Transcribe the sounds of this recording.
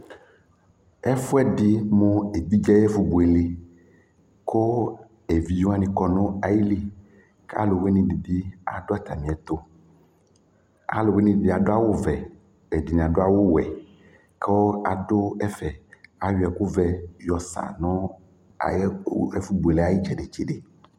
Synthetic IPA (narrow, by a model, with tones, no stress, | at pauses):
ɛ˦fo˦ɛ˦ɖi˦mõ˦e˨bi˦d͡ʒa˦jɛ˦fu˨bu˨e˨le˦ | kʰo˦ | e˨vi˨jo˦a˦nĩ˨kɔ˨nɔ̃˦a˨ji˦li˨ | ka̰˦lo˨we˦nĩ˨di˨di˦a̰˨ɖo˦a˦˨t̪a˨mĩ˨ɛ˨t̪o˦ | a̰˨lo˨we˦nĩ˨di˨di˦˨a˨do˦a˦wo˦vɛ˨ | ɛ˨di˨nĩ˨a˨do˦a˨wo˦wɛ˨ | ko˦a̰˨dʊ˦ɛ˦fɛ˨a˨wi˦ɛ˨ku˦vɛ˦jɔ˨sa̰˨nʊ̃˦ | a̰˨jɛ˦fu˦bu˨e˨le˨˦a˨ji˦d͡ʒɛ˨ɖe˨t͡ʃi˦ɖe˨